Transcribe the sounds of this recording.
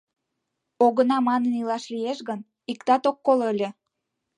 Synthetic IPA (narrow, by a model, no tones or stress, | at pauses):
oɣənɑmɑnənilɑʃlijeʃɣən | ikt̪ɑt̪okːoləlʲĕ